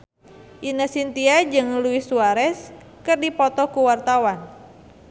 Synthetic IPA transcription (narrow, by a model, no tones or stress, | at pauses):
ʔinəsint̪iad͡ʒɨŋluisuaɾɛs | kɨrdipɔt̪ɔkuwart̪awan